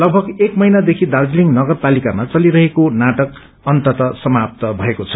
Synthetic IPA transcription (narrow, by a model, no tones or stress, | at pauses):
lʌɡ̚bʱʌɡekmʌɦjnad̪ekʰid̪ard͡zliŋnʌɡʌrpalikamat͡sʌliɾʌɦekonaʈʌk | ʌnt̪ʌt̪ʌsʌmap̚t̪ʌbʱʌekot͡sʰʌ̥